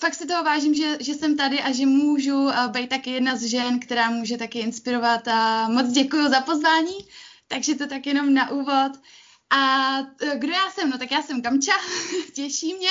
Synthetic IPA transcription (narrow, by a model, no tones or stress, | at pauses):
fak̚sɪt̪o̞ɦovaːʒiːmʒɛʒɛsɛmt̪adɪʔaʒɛmuːʒubɛjt̪̚t̪ːakɪjɛdnazʒɛnkt̪ɛɾaːmuːʒɛt̪akɪɪnspɪɾo̞vat̪amo̞t͡sɟɛkujuzapo̞zvaːɲiːt̪aɡʒɛt̪o̞t̪akjɛno̞mnaʔuːvo̞t̪ | ʔa | ɡdo̞jaːsɛmno̞t̪akjaːsɛmkamt͡ʃacɛʃiːmɲɛ